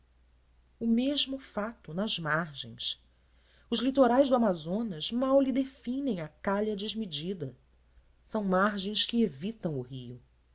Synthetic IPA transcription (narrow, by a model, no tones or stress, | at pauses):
ʊmeʒmʊfat̪ʊnɐzmaɾʒḛ̃j̃s | ʊzlit̪oɾajzd̪ʊamazõnɐzmawlid̪efĩnẽj̃ɐkaʎɐd͡ʒɪzmid͡ʒid̪ɐ | sɐ̃w̃maɾʒẽj̃skɪevit̪ɐ̃w̃ʊhiʊ